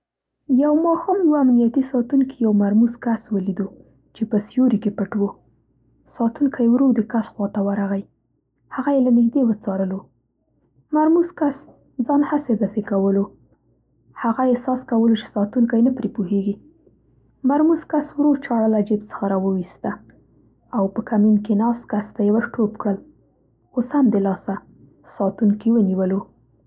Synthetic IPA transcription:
jawmɑhɑmjwaamnijat̪isɑt̪unkijawmaɾmuzkaswəlid̪u | t͡ʃepəsjoɾikepəʈwo | sɑt̪uŋkʰajewɾod̪əkasxwɑt̪awaɾaɣaj | haɣajelanɪkd̪ewət͡sɑɾəlo | maɾmuzkas | zɑnhased̪asekawəlo | haɣajesɑskawəlot͡ʃe̥sɑt̪uŋkajnəpɾipuɦeɡi | maɾmuzkaswɾot͡ʃɑɽəlad͡ʒeb̚t͡sə̥xaɾɑwəwist̪a | awpəkaminkenɑst̪kast̪ajewaxʈʰopkɽəl | oshamd̪əlɑsa | sɑt̪uŋkiwəniwəlo

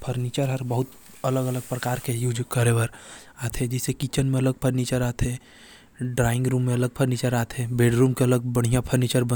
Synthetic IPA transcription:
pʰəɾnit͡ʃəɾɦɐɾbəɦʊt̪ | ɐləɡələɡ̚pɾɐkaːɾkejuːd͡ʒkəɾeʋəɾ | aːt̪ʰed͡ʒɪsekit͡ʃənmẽɐləɡ̚pʰəɾniːt͡ʃəɾaːt̪ʰẽ | ɖɾaːɪ̃ŋɡɾuːmːẽɐləɡ̚pʰəɾniːt͡ʃəɾaːt̪ʰẽbeːɖɾũːmkeɐləɡ̚bɐɽ̤ijãpʰəɾniːt͡ʃəɾbə

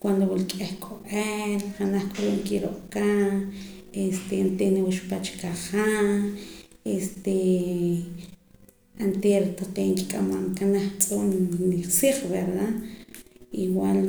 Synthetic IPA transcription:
kwand̪owulkʼehkʼoʔelχanaχkʼoɾoʔŋkiɾo̰ʔka | est̪ent̪eniwaʃpat͡ʃkaχa | est̪e | ant̪eɾt̪aqeŋki̥kʼamaŋkanaχt͡sʼunnisiχβeɾða | iwal

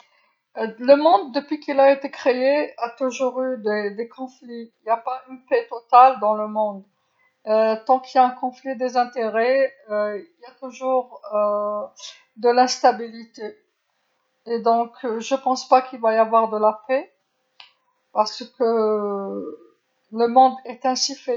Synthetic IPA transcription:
ləmɔ̃d̪ːəpɥikilaet̪ekχeeat̪uʒuʁyd̪ed̪ekʰɔ̃fliiljapaynpɛt̪ɔt̪ald̪ɑ̃ləmɔ̃d̪ | øt̪ɑ̃kiljaɛ̃kɔ̃flid̪ezɛ̃t̪eʁɛøiljat̪uʒuːʁø | d̪əlɛ̃st̪abilit̪e | ed̪ɔ̃kʒəpɑ̃spakilvajavwaʁd̪əlapɛ | paʁsəkə | ləmɔ̃d̪ɛt̪ɛ̃sifɛ

